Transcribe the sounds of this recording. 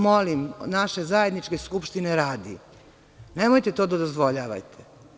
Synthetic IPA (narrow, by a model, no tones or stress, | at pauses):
molimnaʃe̞zajed̪nit͡ʃkeskupʃt̪ineɾaːd̪ḭ | nemojt̪et̪o̞ːd̪ad̪ozʋo̞ʎaːʋa̰jt̪ʰe̥